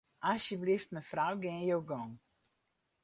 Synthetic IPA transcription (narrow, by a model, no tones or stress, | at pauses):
ʔasjəblift̚məfrawɡɪnjowɡɔŋ